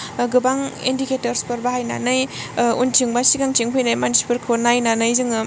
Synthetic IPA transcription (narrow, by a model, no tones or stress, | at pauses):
ɡɯbaŋḭndiketɐɾspɯɾbahajna̰nɯj | ṵntʰiŋbasiɡaŋtʰiŋpʰɯjnajmansi̥pɯɾkʰonajnanɯjzɯŋɯ